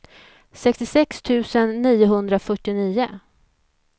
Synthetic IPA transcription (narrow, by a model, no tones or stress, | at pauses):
sɛkst̪ɪsɛkst̪ʰʉ̟ːsənːiːʊɦɵnd̪ɾafœʈːɪniːʊ